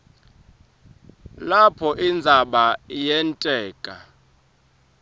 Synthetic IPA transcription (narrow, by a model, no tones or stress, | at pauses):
lapʰɔʔind͡zʱaɓajɛntʼɛːkʼa